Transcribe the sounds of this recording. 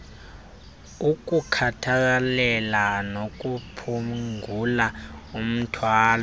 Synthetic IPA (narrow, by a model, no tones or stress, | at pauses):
uk̬ʼukʰatʰak̬alɛlanok̬ʼupʰuulaum̩tʰwaːlɔ